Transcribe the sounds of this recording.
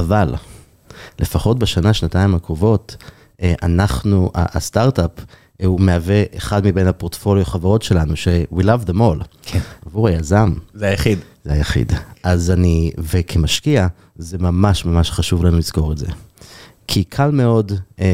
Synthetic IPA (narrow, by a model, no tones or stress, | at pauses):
aval | le̞faχo̞tbeʃanaʃnataimakʁovo̞t | ʔanaχnuʔa̰ʔastaʁtap | umeaveʔeχadmibe̞jnhapoʁtfo̞ljoχavaʁo̞tʃe̞lanuʃewilavðemo̞lkʰavuʁajazamzeajaχid̪zeajaχḭdʔazanivekʰemaʃkia | zemamaʃmamaʃχaʃuvlanulizko̞ʁetze̞̰ | kʰikʰalme̞o̞d